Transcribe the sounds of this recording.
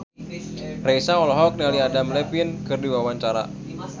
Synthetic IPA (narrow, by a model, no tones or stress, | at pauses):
rejsaɔlɔɦɔk̚nialiadamlɛpinkɨrdiwawaɲt͡ʃaɾa̰